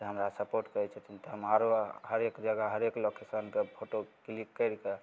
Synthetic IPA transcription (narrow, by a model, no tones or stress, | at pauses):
d͡ʒeɦəmɾasəpoɾʈkəɛt͡ʃʰɛt̪ʰint̪ɔɦəmaɾoɦəɾekd͡ʒəɡəɦəɾeklokesənkepʰoʈoklikːəjɾke